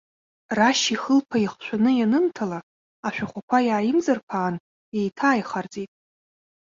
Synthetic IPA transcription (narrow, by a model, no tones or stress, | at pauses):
raʃiχəlpʰaiχʃʷᶣanɨjanɨmtʰala | aʃʷᶣaχʷakʷʰajaːjɪmzarpʷʰaːn | ejtʰaːjχard͡zʼitʼ